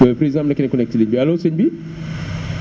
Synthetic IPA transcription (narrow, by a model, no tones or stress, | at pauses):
ɛfɾizamlakinikɔnɛk̚tiliɲbialosɛɲbi